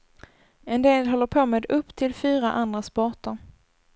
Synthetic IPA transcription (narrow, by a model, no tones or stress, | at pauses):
ɛnd̪eːlɦɔlːəɾpʰoːmeːd̪ɵpːt̪ʰɪlfyːɾa̰ʔand̪ɾaspɔʈəɾ